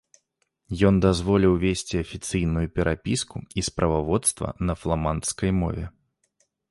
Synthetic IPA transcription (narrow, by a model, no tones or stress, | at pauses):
jɔnd̪azvɔlʲiwvʲesʲt͡sʲiɐfʲit̪sɨjnujupʲɛɾʔapʲiskuispɾʔɐvavɔt̪st̪vɐ̰nɐflˠamant̪skɐjmɔ̰vʲɛ̰